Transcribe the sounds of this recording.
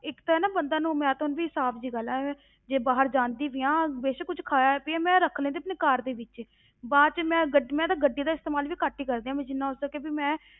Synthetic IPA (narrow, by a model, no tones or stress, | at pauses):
ɪkt̪oɛːnaːbənd̪ãːnũːmɛ̃ːt̪onʋiːsaːpʰd͡ʒiːɡəlɛː | d͡ʒeːbaːɦəɾd͡ʒãːnd̪iːʋɪjãːbeːʃkʊd͡ʒʰkʰaːpiɛːmɛ̃ːɾəkʰːlẽːd̪eəpneːkaːɾd̪eːʋɪt͡ʃ | baːt͡ʃmɛ̃ːɡəɖmɛ̃ːd̪aːɡəɖiːd̪aːɪst̪eːmaːlʋiːkaːʈːiːkəɾd̪eːãːmẽd͡ʒɪnːãːʊsəkebiːmɛ̃ː